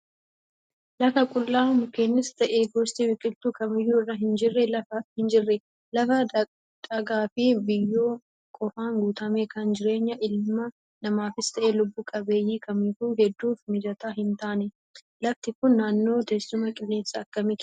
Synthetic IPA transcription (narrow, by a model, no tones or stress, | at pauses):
lɐfɐkʼʊlːaːmʊkeːnːɪst̪ɐʔeːɡoːst̪iwɪkʼɪlt̪uːkɐmɪjːuːɪrɐɦɪnd͡ʒɪrːɛlɐfɐhɪnd͡ʒɪrːɛ | lɐfɐ | d̪ɐɡaːfɪbɪjːoː | kʼɔfaːŋɡuːt̪ɐmɛkɐnd͡ʒɪɾe̞ːɲːɐʔɪlmɐ | nɐmaːfɪst̪ʰɐʔeːlʊbːuːkʼɐbe̞ːjːiːkʰɐmɪfuːɦɛd̪ːuːfmɪd͡ʒɐt̪aːɦɪnt̪aːnɛ | lɐft̪ɪkʊnːaːnːo̞ːt̪ɛsːʊmɐkʼɪlːe̞ːsːɐːkːɐmɪ